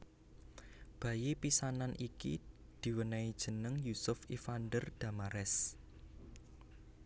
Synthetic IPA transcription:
b̥ä̤jipisananʔikḭ | d̪̥i̤wənaid̥ʒ̥ə̤nəŋjusʊfifand̪ərd̪̥a̤maɾɛs

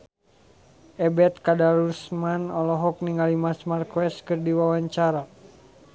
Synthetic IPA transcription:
ʔɛbɛt̪̚kadaɾusmanɔlɔɦɔk̚niŋalimasmarkwɛskɨrdiwawaɲt͡ʃaɾa

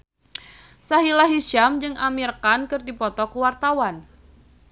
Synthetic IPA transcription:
saɦilaɦiʃamd͡ʒɨŋʔamirkankɨrdipɔt̪ɔkuwart̪awan

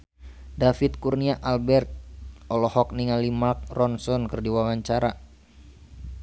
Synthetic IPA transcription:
dafit̪̚kurniaʔalbɛrt̪̚ɔlɔhɔk̚niŋalimak̚rɔnsɔnkɨrdiwawaɲt͡ʃaɾa

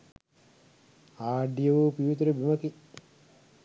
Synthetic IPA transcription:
aːɖijəʋupiʋit̪uɾəbimɐki

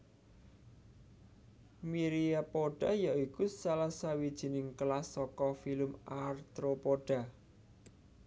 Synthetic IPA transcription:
miɾiapoɖ̥a̤jaikusalahsawid̥ʒ̥i̤nɪŋkəlasɔkɔfiləmart̪ɾopoɖ̥a̤

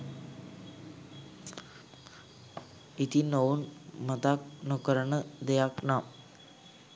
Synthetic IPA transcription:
it̪inounmət̪ak̚nukəɾəɳəd̪ejaknam

